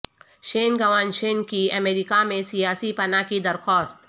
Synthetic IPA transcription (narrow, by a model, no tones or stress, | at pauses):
ʃeːnɡɐʋaːnʃeːnkiɐmeːɾɪkamẽsijaːsipɐnakid̪ɐɾxaːst̪